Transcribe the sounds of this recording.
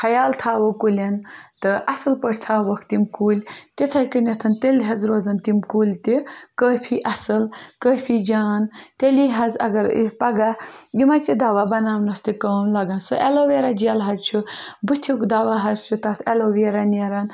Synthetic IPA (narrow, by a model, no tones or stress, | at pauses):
hɐjaːlt̪ʰaːʋokulʲɐnt̪ɨʔɐsɨlpəʈʰt̪ʰaːʋɐkʰt̪imkuːlʲt̪it̪ʰajkənʲɐt̪ʰɐnt̪elʲɦɐzɾoːzɐnt̪imkuːlʲt̪ikəːpʰiʔɐsɨlkəːpʰid͡ʒaːnt̪eliɦɐzɐ̰ɡɐɾḭpɐɡajimat͡ʃid̪aːʋabɐnaːwnɐst̪ikəːmlɐɡɐnsoʔɛloʋeɾad͡ʒialɦɐt͡ʃʰubɨt̪ʰikd̪aːʋaɦɐzt͡ʃʰut̪ɐt̪ʰeloʋeɾaneɾan